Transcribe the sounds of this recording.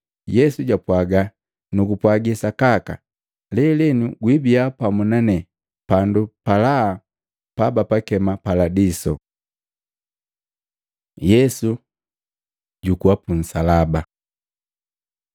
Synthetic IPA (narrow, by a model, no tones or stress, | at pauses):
jɛsuɟapwaɡa | nukupwaɡisakaka̰ | lɛlinuɡwibiapamunanɛ | pandupalaː | pabapakɛmapaladisɔ | jɛsu | ɟukuapun̩salaba